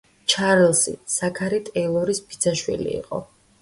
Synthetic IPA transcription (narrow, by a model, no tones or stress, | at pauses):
t͡ʃʰaɾɛlˠsḭsakʰaɾit̪ʼɛilˠɔɾisbid̪saʃwḭlḭːqʼɔ̰